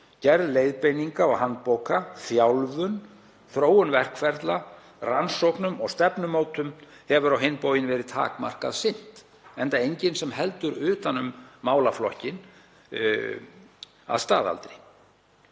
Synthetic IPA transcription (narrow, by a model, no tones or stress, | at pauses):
cɛɾðleːjðpejniŋkaɔɣhanːt̪powkʰaθjawlvʏn | θɾoːwʏnvɛr̥kfɛɾt̪la | ransowknʏmɔɣst̪ɛpnʏmoːwt̪ʏm | hɛvʏɾawɦɪnːpowjɪnvɛːɾɪðt̪ʰa̰ːkma̰r̥ka̰ðsɪn̥t̪ | ɛnt̪aejɲcɪnsɛmhɛlt̪ʏɾʏːt̪anʏmːaːwlaflɔhcɪn | a̰ðst̪a̰ːða̰lt̪ɾɪ